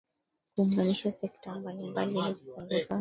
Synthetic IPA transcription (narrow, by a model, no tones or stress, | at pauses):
kuːŋɡaniʃasɛktambalimbalialiku̥kɔŋɡuza